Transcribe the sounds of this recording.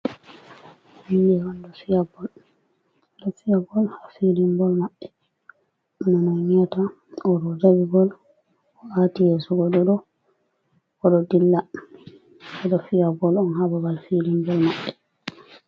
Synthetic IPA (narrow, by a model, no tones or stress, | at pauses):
mindɛwandɔsijabɔl | dɔsijabɔlhafidimbɔlmaɓːɛ | ɔnanɔɲata | ɔɾɔd͡ʒabiɡɔl | ɔatijɛsuɡɔɗɔɗɔ | kɔɗɔdilːa | ɛdɔfijabɔlɔnɦababalfidimbɔlmaɓːɛ